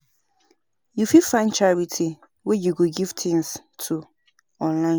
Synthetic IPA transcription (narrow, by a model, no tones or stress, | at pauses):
jufifãɪ̃nt͡ʃaɹitʰi | wɛjuɡoɡiv̥tʰɪ̃ŋs | tʰu | ɔ̃nlã